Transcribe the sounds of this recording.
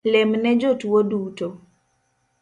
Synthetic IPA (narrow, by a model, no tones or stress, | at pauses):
lɛmnɛd͡ʒotwoduto